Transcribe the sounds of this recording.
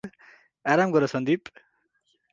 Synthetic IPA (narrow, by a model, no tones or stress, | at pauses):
aɾamɡʌɾʌsʌnd̪ip